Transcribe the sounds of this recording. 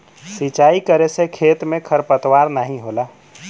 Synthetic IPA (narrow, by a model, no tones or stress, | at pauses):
sit͡ʃaikəɾesekʰet̪mekʰəɾpət̪waɾnaɦĩɦola